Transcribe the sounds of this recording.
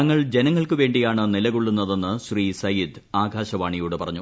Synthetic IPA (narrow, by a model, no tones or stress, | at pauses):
ɐŋːɐɭd͡ʑenɐŋːɐɭkɨʋe̞ːɳɖijaːɳɨnilɐɣuɭːunːɐðe̞nːɨɕriːsɐjid̪ | aːɡʱaːɕɐʋaːɳijuːɽepɐrɐɲːu